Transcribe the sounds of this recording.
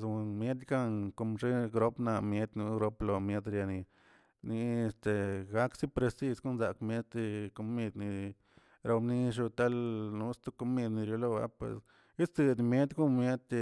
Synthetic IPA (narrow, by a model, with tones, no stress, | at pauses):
zu˧nmje˦d̪̬ɡa˦˧ŋko˧mʐe˦ɡɾo˦pna˧mje˦d̪ʲnu˧˦ɡɾo˧plo˧mje˦d̪ɾja˧ni˧ | ni˧e˧st̪e˧ɡa˦ksi˦pɾe˧si˧sko˦nza˨˧kmje˦t̪ko˧mi˧d̪ni˧ | ɾo˧ni˦ʂ̬u˧t̪a˦lnu˧˦st̪u˦ko˧mi˧d̪ni˧ɾjo˧lo˦˧ba̰˧˦pwḛ˨s | i˦t͡s̪ɨ˧d̪mje˦d̪ʲɡu˦mje˦d̪ʲ